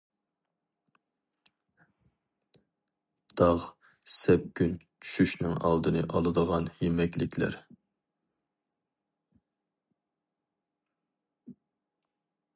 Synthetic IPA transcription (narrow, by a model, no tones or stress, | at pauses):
d̪̥ɑʁ | sɛp̚kʲyn | t͡ʃʰy̥ʃyʃnɪŋɑ̰lˠd̪ɨnɨʔɑlˠɨd̪əʁɑnjemɛkʲlɪkʲʰlæ̰ɾ